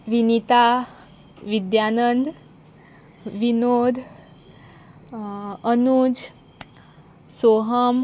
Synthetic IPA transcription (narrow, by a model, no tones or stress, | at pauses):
ʋinit̪a | ʋid̪janənd̪ | ʋinod̪ʱ | ənud͡ʒ | soɦəm